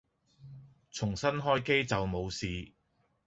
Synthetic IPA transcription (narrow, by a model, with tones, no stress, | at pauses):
t͡sʰʊ˨˩ŋsɐ˥nɦɔː˥jke˥jt͡sɐ˨wmo˨˧wsiː˨